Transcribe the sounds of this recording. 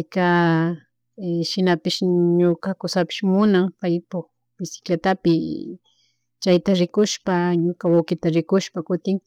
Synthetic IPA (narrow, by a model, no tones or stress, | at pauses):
pajka | ʃɪnapɪʃɲokakʊsapɪ̥ʃmʊnaŋpajpʊk | bɪsɪ̥klat̪apɪ | t͡ʃajt̪aɾɪkʊʃpaɲokawawkɪt̪aɾɪkʊʃpakʊt̪ɪŋ